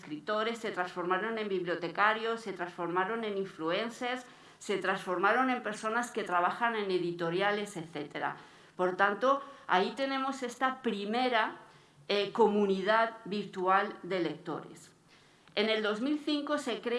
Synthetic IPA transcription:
skɾit̪o̞ɾe̞sːe̞t̪ɾansfo̞ɾmaɾo̞ne̞mbiβljo̞t̪ekaɾjo̞se̞t̪ɾansfo̞ɾmaɾo̞nẽ̞niɱflue̞nseɾsː | e̞t̪ɾansfo̞ɾmaɾo̞ne̞mpe̞ɾso̞naske̞t̪ɾaβ̞axanẽ̞ne̞ðit̪o̞ɾjale̞seθe̞t̪e̞ɾa̰ | po̞ɾt̪ant̪o̞a̰it̪e̞nẽ̞mo̞se̞st̪apɾime̞ɾa | ekomuniðaðbiɾt̪uald̪e̞le̞k̚t̪o̞̰ɾḛs | ene̞ld̪o̞zmilθiŋkose̞kɾe

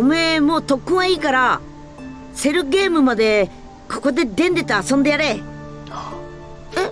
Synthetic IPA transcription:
omɯemo̞ːt̪o̞kːɯ̃ɰ̃aiːkaɾa | se̞ɾɯ̟ɡe̞ːmɯ̟mad̪e̞ | kʰo̞̥ko̞d̪e̞d̪ẽ̞nd̪e̞t̪aasõnd̪e̞jaɾe

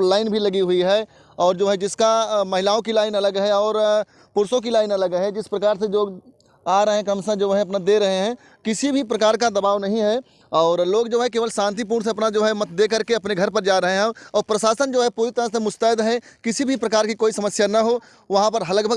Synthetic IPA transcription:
laːɪnbʱilɐɡiɦʊiɦɛː | ɔːɾd͡ʒoːɦɛd͡ʒɪskamɐɦɪlaːõkilaːɪnɐləɡɦɛɔːɾ | pʊɾsõk̬ilaːɪnɐləɡɦɛd͡ʒɪspɾɐkaːɾsed͡ʒoːɡ | aːɾɐɦẽkɐmsə̃d͡ʒoːɦɛ̃ɐp̬nad̪eɾɐɦeɦɛ̃ː | kɪsibʱipɾɐkaːɾkad̪ɐbaːʋnɐɦĩɦɛ | ɔːɾloːɡd͡ʒoːɦɛk̬eːʋəlsʃãːnt̪̬ip̬uːɾns̬eɐpnad͡ʒoːɦɛmɐt̪̚ʰd̪eːkəɾkeɐpneɡʱɐɾpɐɾd͡ʒaːɾɐɦeɦɛ̃ɔːɾpɾɐsaːsənd͡ʒoːɦɛpuːɾɪt̪əɾə̃semʊst̪aːɪd̪ɦɛkɪsibʱipɾɐkaːɾkikoːisɐməsjanɐɦo | ʋɐɦãpəɾɦɐləɡbʱəɡ

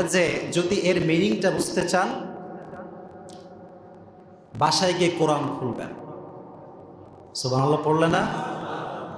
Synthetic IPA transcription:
d͡ʑed͡ʑod̪iʔeɾminiŋʈabud͡ʑt̪et͡ɕan | baʃajɡiekoɾamkʰulbḛn | sobaŋlapoɾlena

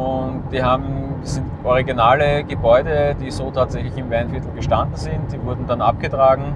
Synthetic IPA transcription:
ʊnt̚d̥iːɦaːbm̩sɪnt | ɔʁiɡinaːləɡəbɔʏdədiːzoːtʰaːtz̥ɛçlɪçɪmvɛɐnfɪɐtl̩ɡəʃtandn̩zɪnt̚d̥iːvʊɐdn̩danʔa̰p̚ɡ̥ətʁaːɡŋ̩

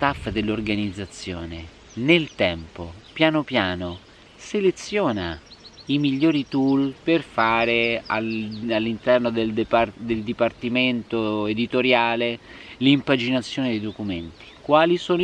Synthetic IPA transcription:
st̪afːd̪elːorɡanid̪zːat̪sːjo̰ːne | nelt̪ɛmpopjaːnopjaːno | selet̪sːjoːnaimiʎːoːɾit̪ulperfaːɾealalːint̪ɛrnod̪eld̪pd̪eld̪ipart̪iment̪oed̪it̪oɾjaːlelimpad͡ʒinat̪sːjoːned̪ejd̪okument̪i̥kwaːlisoːn

